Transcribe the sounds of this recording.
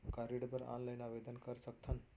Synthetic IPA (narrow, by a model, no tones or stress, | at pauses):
kaɾiɽpəɾa̰nləjnabed̪ənkəɾsək̚t̪ʰən